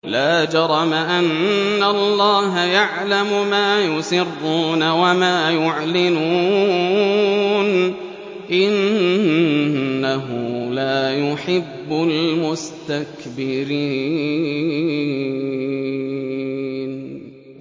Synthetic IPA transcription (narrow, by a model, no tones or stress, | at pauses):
laːd͡ʒɑɾˤɑmaʔanːalˤːɑːɦajaʕlamʊmaːjʊsɪrːuːnawamaːjʊʕlɪmu | n | ʔɪn | aɦʊlaːjʊħɪbːʊlmʊst̪akbɪɾiː | n